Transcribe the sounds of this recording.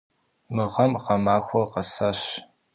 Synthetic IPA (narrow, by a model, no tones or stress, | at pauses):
mɨʁɐmʁɐmaːxʷɔqɐsɐɕ